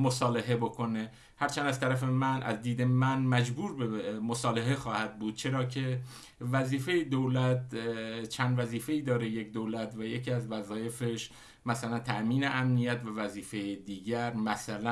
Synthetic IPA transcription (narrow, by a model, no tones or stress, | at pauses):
mosɒːleɦebo̞kʰo̞ne | hæɾt͡ʃʰænd̪æz̥t̪ʰæɾæfe̞mænʔæ̰zd̪iːd̪e̞mænmæd͡ʒbuːɾbemosɒːleɦe̞xɒːhæd̪̚buːd̪̥̚t͡ʃʰe̞ɾɒːcʰe̞ | væziːfe̞jed̪olæt̪̚t͡ʃʰænd̪væziːfe̞iːd̪ɒːɾe̞je̞cd̪oːlæt̪væjecʰiːæzvæzɒːje̞feʃ | mæsælænt̪ʰæʔmiːneʔæmnijæt̪vævæziːfe̞jed̪iːɟæɾmæsælæ